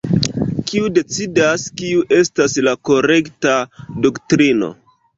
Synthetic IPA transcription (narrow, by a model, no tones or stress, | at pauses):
kiude̞t͡sidaskiuʔe̞staslako̞ɾe̞ktadoktɾino̞̰